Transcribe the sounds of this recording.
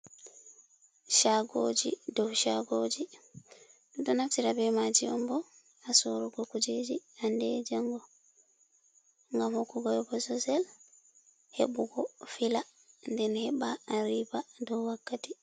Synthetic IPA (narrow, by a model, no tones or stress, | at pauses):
ʃaɡod͡ʒḭdɔwʃaɡod͡ʒi | ɗɔtɔnaftiɾabɛmad͡ʒiɔmbɔ | asɔɾɔɡɔkud͡ʒed͡ʒiandɛd͡ʒaŋɡɔ | ŋɡamhɔkːuɡɔjɔbɔsɔsɛl | hḛɓuɡɔfila | ndɛnhɛbaːɾibadɔwwakːati